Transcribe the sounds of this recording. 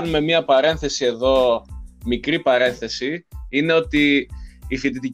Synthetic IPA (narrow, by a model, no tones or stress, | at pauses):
nume̞miɐpɐɾe̞nθe̞sie̞ðo̞mikɾipɐɾe̞nθe̞siine̞o̞t̪iː | fit̪̬it̪i